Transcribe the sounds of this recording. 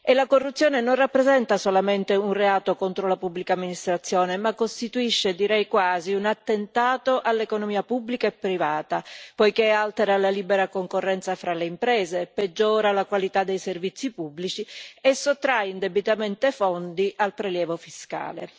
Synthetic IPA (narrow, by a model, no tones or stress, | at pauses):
elakorːut̪sːjoːnenonrapːɾezɛnt̪asolament̪eunreaːt̪okont̪ɾolapubːlikaːmːinist̪ɾat̪sːjoːnemakːost̪it̪uiʃːed̪iɾɛjkwaːziunat̪ːent̪aːt̪oʔalːekonomiːapubːlikaepːɾivaːt̪apojkealt̪eɾalaliːbeɾakoŋkorːɛnt̪safɾaleimpɾɛːzeped͡ʒːɔːɾalakwalit̪ad̪ːejservit̪sːipubːlit͡ʃiesot̪ːɾajind̪ebit̪ament̪efɔnd̪iʔalpɾeljɛːvofiska̰ːle